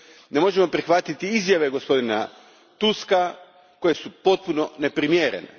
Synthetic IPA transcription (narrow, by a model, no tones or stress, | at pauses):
ne̞mo̞ʒe̞mo̞pɾixʋat̪it̪iizjaʋe̞ɡo̞spo̞d̪ina | t̪uska | ko̞je̞supo̞t̪̚puno̞ne̞pɾimjeːɾḛnḛ